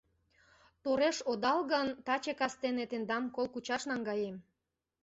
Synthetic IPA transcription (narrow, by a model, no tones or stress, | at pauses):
t̪oɾeʃod̪ɑlɣənt̪ɑt͡ɕekɑst̪enet̪end̪ɑmkolkut͡ɕɑʃnɑŋɡɑjem